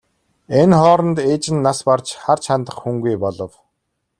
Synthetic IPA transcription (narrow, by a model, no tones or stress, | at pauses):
enχɔːɾə̆nt̪eːt͡ɕɪ̆nːaspart͡ɕχart͡ɕʰant̪ə̆χxuŋɡujpɔɮɞ̆w